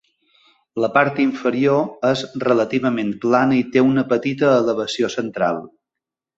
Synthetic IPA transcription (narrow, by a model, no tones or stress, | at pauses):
ləpaɾt̪iɱfəɾioəzrələt̪iβ̞əmemplanəit̪eunəpət̪it̪əːləβəsiosənt̪ɾa̰lˠ